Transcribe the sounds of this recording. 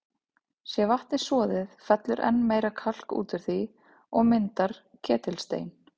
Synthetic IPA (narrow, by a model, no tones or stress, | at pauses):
sjɛvaht̪nɪ̥sɔːðɪðfɛt̪lʏɾʔɛ̰nːmeːjɾakʰal̥kṵːt̪ʏɾ̥θi | ɔɣmɪnt̪aɾ̥cʰɛːt̪ɪlst̪ḛːjn